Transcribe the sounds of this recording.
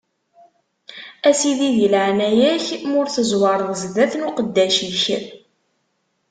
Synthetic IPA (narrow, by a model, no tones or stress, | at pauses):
æsiðiðilʕnæjæçmʊɾθəzwɑɾˤðzðæθnuqəd̪ːæʃiçəɾ